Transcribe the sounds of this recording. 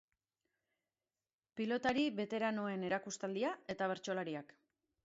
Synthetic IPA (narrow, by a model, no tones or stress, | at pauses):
pilo̞t̪aɾiβe̞t̪e̞ɾano̞e̞ne̞ɾakust̪ald̪iae̞t̪aβe̞ɾt͡ʃo̞laɾiak